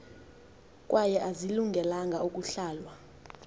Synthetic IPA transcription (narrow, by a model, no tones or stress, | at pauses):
kʼwʔajɛʔaziluŋɡʱɛlaŋɡʱaukʼuɬaːlwa